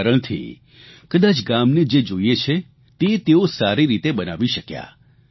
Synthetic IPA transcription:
ɾəɽ̃t̪ʰḭ | kəd̪at͡ʃɡamned͡ʒed͡ʒoiet͡ʃʰe | t̪et̪eosaɾiɾit̪ebənaʋiʃəkja̰

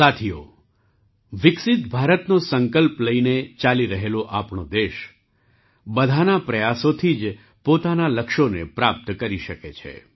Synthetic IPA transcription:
sat̪ʰijo̰ | ʋɪksɪt̪bʱaɾət̪nosəŋkəlpləinet͡ʃaliɾəɦeloʔapɳod̪eʃ | bəd̪ʱanapɾəjasot̪ʰid͡ʒ | pot̪analəkʃonepɾap̚t̪kəɾiʃəket͡ʃʰḛ

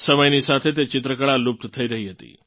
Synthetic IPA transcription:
səməjnisat̪ʰet̪̬et͡ʃɪt̪ɾəkəɭalup̚t̪t̪ʰəiɾəɦiɦət̪ḭː

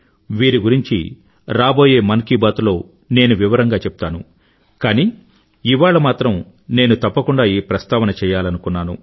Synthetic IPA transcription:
ʋiːɾiɡuɾiɲt͡ʃḭ | ɾaːbo̞ːje̞ːmɐnkibaːt̪ulo̞ː | ne̞ːnuʋiʋɐɾɐŋɡaːt͡ʃɛpu̥t̪aːnṵ | kaːniː | iʋaːɭɐmaːt̪ɾɐm | ne̞ːnut̪ɐpːɐkuɳɖaːjiːpɾɐst̪aːʋɐnɐt͡ʃɛːjaːlɐnukunːaːnṵ

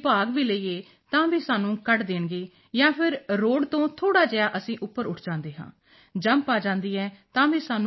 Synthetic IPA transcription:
paːɡʋiːləiːeː | t̪ãːbiːsaːnũːkəʈd̪eːɳɡeː | jãːpʰɪɾɾoːɽt̪õːt̪ʰoːɽaːd͡ʒəjaːʔəsĩːʔʊpːəɾʊʈʰd͡ʒãːnd̪eːɦã̰ː | d͡ʒəmpaːd͡ʒãːnd̪iːɛːt̪ãːbiːsaːnu

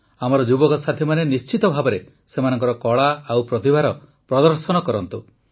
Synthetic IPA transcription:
amɔɾɔd͡ʒubɔkɔsat̪ʰimanenist͡ʃit̪ɔbʱabɔɾe | semanɔŋkɔɾɔkɔɭaawpɾɔt̪ibʱaɾɔ | pɾɔd̪ɔɾsɔnɔkɔɾɔnt̪u

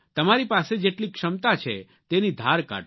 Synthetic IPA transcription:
t̪əmaɾipased͡ʒeʈlikʂəmt̪at͡ʃʰḛ | t̪enid̪ʱaɾka̰

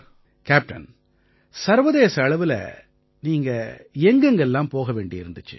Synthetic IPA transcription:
kaːp̚ʈɐ̰n | sɐɾʋɐðeːsɐːɭɐʋɪlɐ̰ | niːŋɡɐɛŋɡɐŋɡɐɛlːãːmpoːɣɐʋeːɳɖɪɪɾɯnd̪ɯt͡ʃːɯ̰

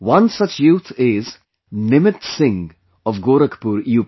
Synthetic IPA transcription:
wʌ̃nsʌt͡ʃjuːt̪ʰɪz | nɪmɪtsɪ̃ŋ | ɔvɡoːɾəkpuɾjuːp

